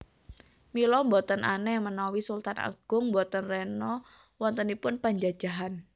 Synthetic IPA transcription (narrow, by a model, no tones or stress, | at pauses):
milɔmbɔt̪ənʔa̰nɛhmənawisult̪ana̰ɡ̥ʊŋmbɔt̪ənrɛnɔ | wɔnt̪ənipʊnpaɲd͡ʒad̥d͡ʒ̥a̤ɦan